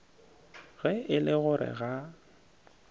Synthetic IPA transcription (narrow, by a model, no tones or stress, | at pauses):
ɣɛɪlɪɣʊɾʔɪ̰ɣa